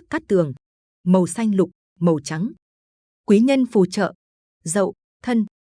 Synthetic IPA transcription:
kaː˦˥k̚t̪ɨ˨˩əŋ | mə˨˩wsa˧jŋ̟lʊ˨˩k͡p̚ | mə˨˩wt͡ɕa˨˦ŋ | kwi˨˦ɲə˧nfu˧˩t͡ɕə̰ː˧˨ | zə̰˧˨w | t̪ʰə˧n

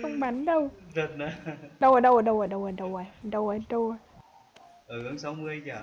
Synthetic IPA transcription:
kə˧wŋ͡mɓa˨˦nɗə˧wzə˨˩t̚ɗa˨˦ɗə˧wʔaː˨˩ɗə˧wʔəː˨˩ɗə˧wʔaː˨˩ɗə˧wʔaː˨˩ɗə˧wʔaː˨˩˨ɗə˧waː˨˩ɗə˧w | ʔəː˨˩hə˧ŋsa˨˦wmɨ˧əjzaː˨˩

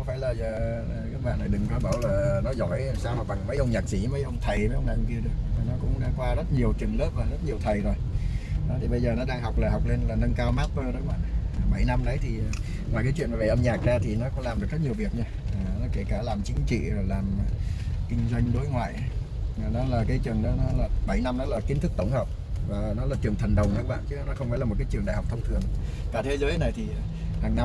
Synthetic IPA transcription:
kɔ˨˦faː˧˩jlaː˨˩zəː˨˩˨ | kaː˦˥kɓa̰ː˧˨nːaː˨˩ɗɨ˨˩ŋta˧˦ɓaː˧˩wlaː˨˩nɔ˨˦zɔ˧˩jsaː˧wnɔ˨˩ɓa˨˩ŋmə˨˦jʔə˧wŋ͡mɲaː˨˩k̚si˧˦mə˨˦jʔə˧wŋ͡mt̪ʰə˨˩jmə˨˦jə˧wŋ͡mɗa̰˧˨˧ki˧əɗɨ˨˧˩ək̚vaː˨˩nɔ˨˦kʊ̰˧˥ŋ͡mɗa̰ː˧˥kwaː˧zə˦˥t̚ɲi˨˩əwt͡ɕɨ˨˩ŋlə˦˥p̚vaː˨˩zə˦˥t̚ɲi˨˩əwt̪ʰə˨˩jzo˨˩jɗɔ˨˦t̪ʰi˨˩ɓə˧jzəː˨˩nɔ˨˦ɗaː˧ŋɦa˨˩wk͡p̚laː˨˩ha˨˩wk͡p̚le˧nlaː˨˩nə˧nkaː˧wmaː˦˥t̚pəː˧nɔ˨˦kɓa̰ː˧˨ʔmə˧˩jna˧mɗə˨˦jt̪ʰi˨˩˨ | ŋwaː˨˩jkaː˨˦t͡ɕwḭ˧˨ənma˨˩ə˧˩ʔə˧mɲaː˨˩k̚zaː˧t̪ʰi˨˩nɔ˨˦kɔ˨˦laː˨˩mɗək̚zə˦˥ɲi˨˩əwvi˨˩ək̚ɲaː˧a˨˩nɔ˨˦ke˧˩kaː˧˩laː˨˩mt͡ɕï˨˦ŋ̟t͡ɕḭ˧˨zo˨˩jlaː˨˩m˨˩kï˧ŋ̟zwa˧jŋ̟ɗo˨˦jŋwa̰ː˧˨jʔa˨˦˨nɔ˨˦laː˨˩kaː˨˦jt͡ɕɨ˨˩əŋɗɔ˨˦nɔ˨˦laː˨˩ɓa˧˩jna˧mnɔ˨˦laː˨˩ki˨˦nt̪ɨ˦˥k̚t̪ə˧˩wŋ͡mhəː˨˩p̚ | vaː˨˩nɔ˨˦laː˨˩t͡ɕɨ˨˩əŋt̪ʰə˨˩nɗə˨˩wŋ͡mɗɔ˨˦kːɓa̰ː˧˨t͡ɕɨ˨˦˨nɔ˨˦xə˧wŋ͡mfaː˧˥laː˨˩mo˨˩kaː˨˦t͡ɕɨ˨˩əŋɗa̰ː˧˨ha˨˩k͡p̚t̪ʰə˧wŋ͡mt̪ʰɨ̰˧˨əŋ | kaː˧˩t̪ʰe˨˦zəː˨˦jna˨˩jt̪ʰi˨˩˨haː˨˩ŋna˧

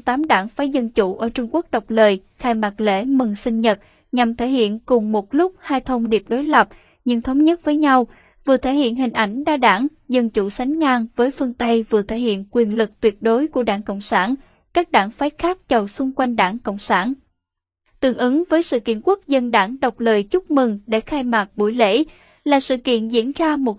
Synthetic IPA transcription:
t̪aː˨˦mɗaː˧˩ŋfaː˨˦jzə˧nt͡ɕu˧˩ʔəː˧˩t͡ɕʊ˧ŋ͡mku˦˥ək̚ɗə˨˩wk͡p̚ləː˨˩jxaː˧jmaː˨˩t̚lḛ˧˥mɨ˨˩ŋsï˧ŋ̟ɲə˨˩t̚ | ɲa˨˩mt̪ʰe˧˩hḭ˧˨ənkʊ˨˩ŋ͡mmo˨˩t̚lʊ˦˥k͡p̚haː˧jt̪ʰə˧wŋ͡mɗi˨˩əp̚ɗo˨˦jlə˨˩p̚ | ɲɨ̰˧ŋt̪ʰə˨˦wŋ͡mɲə˦˥t̚vəː˨˦jɲa˧w | vɨ˨˩ət̪ʰe˧˩hḭ˧˨ənɦï˨˩ŋ̟ʔa˧˩jŋ̟ɗaː˧ɗaː˧˩ŋ | zə˧nt͡ɕṵ˧˩sa˨˦jŋ̟ŋaː˧ŋvəː˨˦jfɨ˧əŋt̪ə˧jvɨ˨˩ət̪ʰe˧˩hḭ˧˨ənkwi˨˩ənlɨ˨˩k̚t̪wi˨˩ət̚ɗo˨˦jku˧˩əɗaː˧˩ŋko̰˧˨wŋ͡msaː˧˩n | kaː˦˥k̚ɗaː˧˩ŋfaː˨˦jxaː˦˥k̚t͡ɕə˨˩wsʊ˧ŋ͡mkwa˧jŋ̟ɗaː˧˩ŋko̰˧˨wŋ͡msaː˧˩n | t̪ɨ˨˩əŋʔɨ˨˦ŋvəː˨˦jsɨ̰˧˨kḭ˧˨ənku˦˥ək̚zə˧nɗaː˧˩ŋɗə˨˩wk͡p̚ləː˨˩jt͡ɕʊ˦˥k͡p̚mɨ˨˩ŋɗe˧˩xaː˧jmaː˨˩k̚ɓu˧˩jlḛ˧˥ | laː˨˩sɨ̰˧˨kḭ˧˨ənzḭ˧˥ənzaː˧mo˨˩t̚

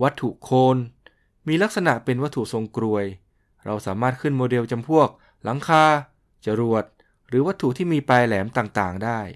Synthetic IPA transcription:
wa˦˥t̪ʰːṵ˨˩kʰoː˧n | miː˧la˦˥k̚sa˧na˨˩ʔpe˧nwa˦˥t̪ʰːu˨˩so˧ŋkɾu˧əj | ɾa˧wsaː˩˦maː˥˩t̪̚kʰɯ˥˩nmoː˧de˧wt͡ɕa˧mpʰu˥˩ək̚ | la˩˦ŋkʰaː˧ | t͡ɕa˧ɾu˨˩ət̪̚ | ɾɯː˩˦wa˦˥t̪ʰːu˨˩t̪ʰiː˥˩miː˧paː˧jlɛː˩˦mt̪aː˨˩ŋt̪aː˨˩ŋdaː˥˩j

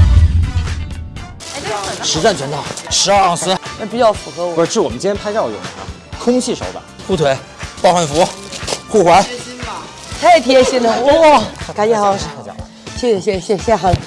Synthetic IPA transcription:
ʂɻ̩˧˥ʈ͡ʂa˥˩nt͡ɕɥɛ˧˥nt̪ɑ˥˩ʊʂʰɻ̩˧˥a˞˥˧ɑ˥˩sɹə˥na˥˩pi˨˩t͡ɕjɑ˥˩ʊfu˧˩xɤ˧˥wʂɻ̩˥˩wɔ˨˩mə˦nt͡ɕi˥njɛ˥pʰa˥ɪʈ͡ʂɑ˥˩˨ʊ̰˨˩˨ɐ̰˧ | kʰʊ˥ŋɕʰi˥˩ʂo̰˧˩ʊbə̰˧ | xu˥˩t̪ʰwe˧˥ɪ | pɑ˥˧ʊxwa˥˩nfu˧˥xu˥˩xwa˧˥n | t̪ʰa˥˩ɪt̪ʰjɛ˥˩ɕi˥nd̪ə˧˥ka˧˥˩jɛ˥˧˥ʂ̩˥˩˧t͡ɕɑ̰˨˧˩ | ɕjɛ˥˩ɕɛ˧˩ɕɛ˥˩ɕɛ˧ɕɛ˥˩xa˧˥

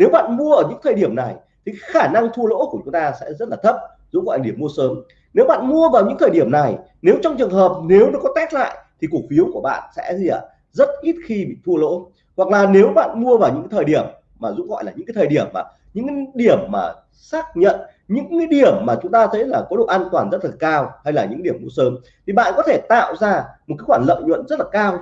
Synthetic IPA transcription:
ne˨˦wɓa̰ː˧˨nmu˧əʔəː˧˩ɲɨ̰˧˥ŋt̪ʰəː˨˩jɗi˧˩əmna˨˩j | t̪ʰi˨˩kxaː˧˩na˧ŋt̪ʰu˧əlo̰˧˥ku˧˩ət͡ɕʊ˨˦ŋ͡mt̪aː˧sɛ̰˧˥zə˦˥t̚laː˨˩t̪ʰə˦˥p̚ | zṵ˧˥ɣɔ̰˧˨ja˨˩ɗi˧˩əmu˧əsəː˨˦m | ne˨˦wɓa̰ː˧˨nmu˧əvaː˨˩wɲɨ̰˧˥ŋt̪ʰəː˨˩jɗi˧˩əmna˨˩j | ne˨˦wt͡ɕɔ˧wŋ͡mt͡ɕɨ˨˩əŋɦəː˨˩p̚ne˨˦wɗɨ˨˩əkɔ˨˦t̪aː˦˥k̚la̰ː˧˨jt̪ʰi˨˩ku˨˩k̚fi˨˦əwku˧˩əɓa̰ː˧˨nsɛ̰˧˥zi˧˨ə̰˧˨ | zə˦˥t̚ʔi˦˥t̚xi˧ɓḭ˧˨t̪ʰu˧əlo̰˧˥ | hwa˨˩k̚laː˨˩ne˨˦wɓa̰ː˧˨nmu˧əvaː˨˩wɲɨ̰˧˥ŋaː˨˦t̪ʰəː˨˩jɗi˧˩əmː | aː˨˩zṵ˧˥ɣɔ̰˧˨jlaː˨˩ɲɨ̰˧˥ŋaː˨˦jt̪ʰəː˨˩i˧˩əmːaː˨˩ | ɲɨ̰˧˥ŋka˨˦ɗi˧˩əmːaː˨˩ | saː˦˥k̚ɲə̰˧˨n | ɲɨ̰˧˥ŋkaː˨˦ɗi˧˩əmːaː˨˩t͡ɕʊ˨˦ŋ͡mt̪aː˧t̪ʰə˨˦jlaː˨˩kɔ˨˦ɗo˨ʔaː˧nt̪waː˨˩nzə˦˥t̚la˨˩kaː˧wha˧jlaː˨˩ɲɨ̰˧˥ɗi˧˩əmːu˧əsəː˨˦m | t̪ʰi˨˩ɓa̰ː˧˨nkɔ˨˦t̪ʰe˧˩t̪a̰ː˧˨wzaː˧m̚˨˩aː˨˦jxwaː˧˩nlə̰˧˨wŋ͡mɲwə̰˧˨nzə˦˥t̚laː˨˩kaː˧w

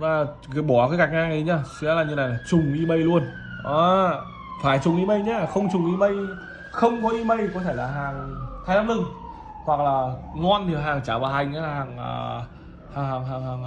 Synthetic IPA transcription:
ɗɔ˨˦laː˨˩ | ə˨˦jɓɔ˧˩kaː˨˦ka˨˩jk̚ʔaː˧ŋi˨˦ɲa˧˩sa˨˦laː˨˩ɲɨ˧na˨˩laː˨˩t͡ɕʊ˨˩ŋ͡mʔi˧mə˧jlu˧ən | ʔɔː˨˦ | faː˧˩jt͡ɕʊ˨˩ŋ͡mʔi˧mə˧jɲaː˧xə˧wŋ͡mt͡ɕʊ˨˩ŋʔi˧mə˧j | xə˧wŋ͡mkɔ˨˦ʔi˧mə˧jkɔ˨˦t̪ʰe˧˩jlaː˨˩ɦaː˨˩ŋt̪ʰaː˨˧˦jnaː˨˧˦ŋlɨ˧ŋ | hwa˨˩k̚laː˨˩ŋɔ˧nɗi˨˩əwɦaː˨˩ŋt͡ɕaː˧˩vaː˨˩ha˨˩jŋ̟ʔa˨˦laː˨˩aː˨˩ŋə̰ː˧˨˧ | haː˨˩ŋhaː˨˩ŋɦaː˨˩ŋhaː˨˩ŋ

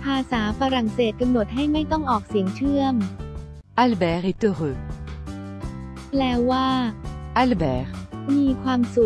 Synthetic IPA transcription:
pʰaː˧saː˩˦fa˧ɾa˨˩ŋseː˨˩t̪̚ka˧mno˨˩t̪̚ɦa˥˩jma˥˩jt̪ɔ˥˩ŋʔɔː˨˩k̚si˨˩˦əŋt͡ɕʰɯ˥˩əm | ʔa˧˩lbɛː˦ɾi˦t̪ə˧ʁɯ˨˧ | lɛː˦˥wwaː˥˩ʔa˥lbɛː˧˩ɾmiː˧kʰwaː˧msu˨˩

